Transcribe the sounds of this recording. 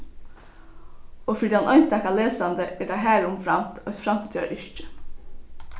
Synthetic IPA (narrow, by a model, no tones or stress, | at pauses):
oːfɪɖ̪ɪɑnʔɔʏnst̪ɑkɑleːsɑnd̪əɛːɖɑɦæːɾʊmfɾɑmt̪ʰɑʏt̪fɾɑmt̪ə̥t̪ʰø̰ːɾʔʏʃʈə̥